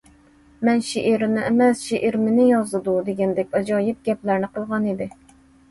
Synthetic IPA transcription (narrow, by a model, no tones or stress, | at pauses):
mɛnʃeʔiɾɪnɪʔemɛsʃeʔiɾmɪnɪjɑzɨd̪ud̪eɡʲɛnd̪ɛk̚ʲɑd͡ʒɑːjɪp̚ɡʲɛplæɾnɪqəlˠʁɑnid̪ɪ